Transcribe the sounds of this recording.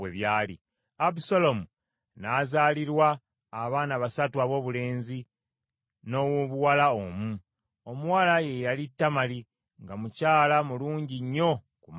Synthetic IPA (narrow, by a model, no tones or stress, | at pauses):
eβjaːlḭ | abisolo̞mu | naːzaːliɾwaː | βaːnaβasatuaβo̞ːβule̞ːnzi | no̞woβuwalaomu | o̞muwalaje̞jalitːamali | ŋɡamucaːlamuluːɲɟiɲːo̞ | kum